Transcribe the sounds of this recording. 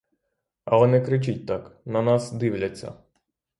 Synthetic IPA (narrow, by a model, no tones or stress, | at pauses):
ɐlˠɛnɛkɾɪt͡ʃɪt̚ʲt̪ɑknɐnɑsd̪ɪwlʲɐt͡sʲːɐ̰